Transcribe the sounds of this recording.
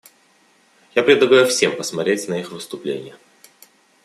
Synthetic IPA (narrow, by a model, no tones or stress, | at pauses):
japɾʲɪd̪lˠɐɡajʊfsʲe̞mpəsmɐtɾʲetʲnɐixvɨst̪ʊplʲḛnʲɪ̰jə